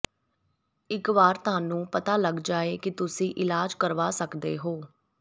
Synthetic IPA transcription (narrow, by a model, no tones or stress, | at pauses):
ɪkʋaːɾt̪ʊaːnũːpət̪aːləɡd͡ʒaːeːkɪt̪ʊsĩːʔɪlaːd͡ʒkəɾʋaːsəkd̪eːɦoː